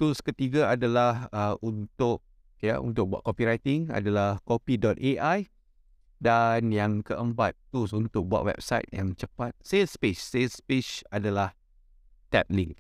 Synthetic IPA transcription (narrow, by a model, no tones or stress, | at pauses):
t̪uskət̪iɡaadalahəunt̪ʊk̚ | ja̰ʔṵnt̪ʊk̚bua̰ʔ̚kopiɾajt̪ɪŋa̰dalahkopidɔt̪̚eʔaj | danjaŋkəʔəmpat̪̚ːus̬unt̪ʊk̚bua̰ʔ̪̚wɛ̰p̚sajt̪jaŋt͡ʃəpat̪̚sespeʃsespiʃadalah | t̪ɛp̚liŋk